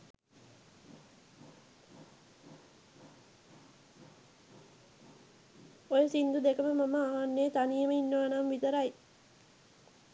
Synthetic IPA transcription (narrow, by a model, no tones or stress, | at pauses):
ojəsind̪ud̪ekəməmaməaʋanːejt̪anijəməinːəʋanamʋit̪əɾaj